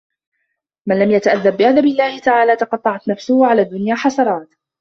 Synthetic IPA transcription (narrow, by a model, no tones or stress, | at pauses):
manlamjat̪aʔaðːabːɪʔad̪abɪlːaːhɪt̪aʕaːlaːt̪ɑqɑt̪ˤːɑʕɑt̪nafsʊhʕalaːd̪ːʊnjaːħɑsɑɾˤɑːt̪